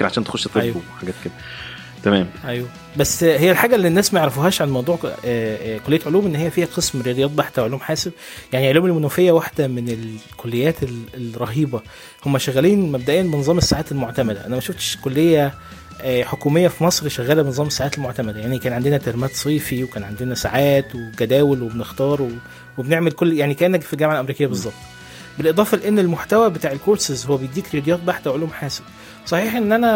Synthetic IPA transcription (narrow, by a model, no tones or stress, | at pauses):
ʕaʃæːnt̪exoʃːt̪ˤːeæjwħaɡæːt̪̚ked̪æ | t̪æmæːmʔæjwæ | bæsːhejːælħaːɡæʔlːinːæːsmæjʕɾɑfoɦæːʃʕanmɑwd̪ˤuːʕ | kolːejæt̪ʕoluːmʔenːhejːæfiːhæqesmɾejɑd̪ejːɑt̪̚ˤbaħt̪æwʕoluːmħaːseb̚ | jaʕniʕoluːmelmonuːfejːæwaħd̪æmenelkolːejːæːt̪elɾˤɑɦiːbɑ | homːæʃæɣæliːnmæb̚d̪æʔejːænbenezˤɑːmesːaʕaːt̪elmoʕt̪æmæd̪æ̰ʔænæmæʃoft̪ʃkolːejːæ | ħokuːmejːæfimɑsˤɾʃæɣæːlæbenezˤɑːmesːaʕaːt̪elmoʕt̪æmæd̪æjaʕnikæːnʕand̪enæt̪eɾmæːt̪sˤiːfiwekæːnʕand̪enæsaʕaːt̪weɡæd̪æːwelwebenext̪ɑːɾˤwe | webeneʕmelkolːjaʕnikæʔenːæɡfilɡæmʕalʔæmɾiːkejːæbezˤːɑb̥̚t̪ˤ | belʔed̪ˤɑːfɑleʔenːelmoħt̪æwæbet̪aːʕelkoɾsezhowːæbejed̪iːkɾejɑd̪ejɑːt̪̚ˤbaħd̪æwʕoluːmħaːseb | sˤɑħiːħʔenːʔænæ